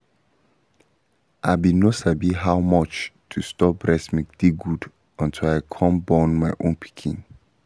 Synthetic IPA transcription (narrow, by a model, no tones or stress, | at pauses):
ʔabinosabiɦawmɔt͡ʃtʰustɔp̚bɹɛsmikd̥iɡud | ɔ̃ntʰilaɪkʰɔ̃mbɔ̃nmaɪʔõnpʰi̥kʰḭ̃n